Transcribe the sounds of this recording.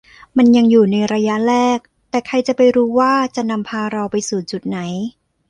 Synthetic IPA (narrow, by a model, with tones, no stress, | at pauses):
ma˧nja˧ŋjuː˨˩na˧jɾaː˧ja˦˥ʔɾɛː˥˩k̚ | t̪ɛː˨˩kʰa˧jt͡ɕa˨˩pa˧jɾuː˦˥waː˥˩t͡ɕa˨˩na˧mpʰaː˧ɾɔː˧wpa˧jsuː˨˩t͡ɕu˨˩t̪̚na˩˦j